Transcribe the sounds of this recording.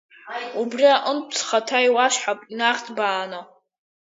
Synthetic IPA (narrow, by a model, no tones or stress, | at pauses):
ubriaʔənpʰt͡sʰχatʰajwaʃħapʼinaχʲtʰbaːno